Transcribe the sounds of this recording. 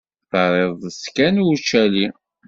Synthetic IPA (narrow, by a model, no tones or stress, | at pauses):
θəɾˤeðˤəskænwut͡ʃːæli